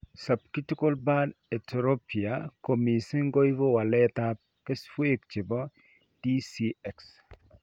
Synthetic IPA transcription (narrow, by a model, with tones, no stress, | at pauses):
sa˨p̚ki˦ti˦ko˦lba˦de˨tʰɾo˦pi˨a˨ko˨mi˨si˦ŋɡo˦i˦vo˦wa˨lɛ˦t̪a˦p̚ke˦sfwe˦k̚t͡ʃi˨bɔ˦ | d̥i˦si˦ɛ˨ks